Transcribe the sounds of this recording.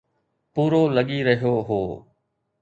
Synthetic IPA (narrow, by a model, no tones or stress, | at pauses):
puːɾoːləɠiːɾəɦjoːɦoː